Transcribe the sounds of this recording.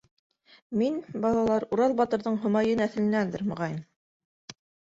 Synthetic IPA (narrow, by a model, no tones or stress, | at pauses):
minbɑlˠɑlˠɑɾuɾɑlˠbɑt̪ɤ̆ɾðɤɴɦɤ̆mɑjɤnæθɘ̆lɘ̆nænd̪ɘɾmɤ̆ʁɑjm